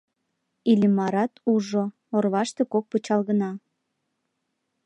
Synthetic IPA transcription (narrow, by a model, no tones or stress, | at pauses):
ilʲimɑɾɑt̪uʒo | orβɑʃt̪e̽kok̚put͡ɕɑlɣənɑ